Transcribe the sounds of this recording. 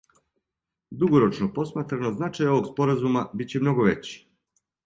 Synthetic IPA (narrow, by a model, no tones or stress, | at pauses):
d̪uɡoɾo̞t͡ʃnopo̞smat̪ɾanoznat͡ʃajo̞ʋo̞ɡspo̞ɾazumabit͡ɕemno̞ɡoʋe̞t͡ɕi̥